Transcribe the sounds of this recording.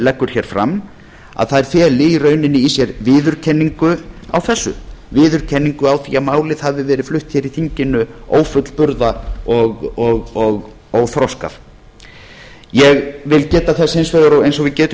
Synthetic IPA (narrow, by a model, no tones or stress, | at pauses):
lɛkːʏɾ̥çɛːɾ̥fɾa̰mː | a̰ðθaðɛɾ̥θjɛːlɪirœːɥnɪnːɪisjɛɾvɪːðʏɾ̥cʰɛnːiŋkʏa̰wθɛsːʏ̰vɪːðʏɾ̥cʰɛnːiŋkʏawθiːamaːwlɪðhavðɪvɛːɾɪ̥flʏht̪çɛɾiθiɲcɪnːʏo̰ːwfʏt̪lpʏɾðaɔɣɔɣɔɣ | owθɾɔska̰f | jɛɣvɪlcɛːt̪aθɛsːejnsvɛɣaɾowejnsɔɣvɪðcɛːt̪ʏ